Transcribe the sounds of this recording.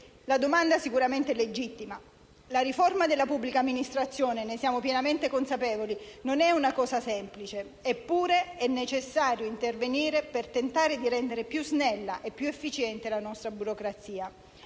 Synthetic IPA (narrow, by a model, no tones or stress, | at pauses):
lad̪omand̪asikuɾament̪ɛled͡ʒit̪ːima | laɾiformad̪elːapubːlikaːmːinist̪ɾat̪sːjoːnenesjaːmopjenament̪ekonsapɛːvolinonɛunakɔːsasɛmplit͡ʃeː | pːuːɾeɛnːet͡ʃesːaːɾjoint̪erveniːɾepert̪ent̪aːɾed̪iɾɛnd̪eɾepjuznɛlːaʔepːjuefːit͡ʃɛnt̪elanɔst̪ɾabuɾokɾat̪siːa